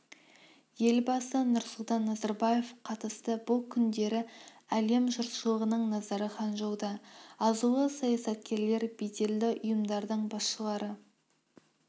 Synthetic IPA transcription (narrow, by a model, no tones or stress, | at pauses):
je̞lbɑsənʊɾsʊlˠt̪ɑnːɑzɑɾbɑje̞fqʰɑt̪əst̪əbʊlˠkʲʰʏnd̪e̞ɾɪ | æle̞mʒʊɾt̪ʃəlˠəʁənəɴnɑzɑɾəχɑnʒowd̪ɑɑzulˠəsɑjɑsɑt̪̚kʲe̞ɾle̞ɾbet̪e̞ld̪ɪʔʊjəmd̪ɑɾd̪əɴbɑsʃəlˠɑɾə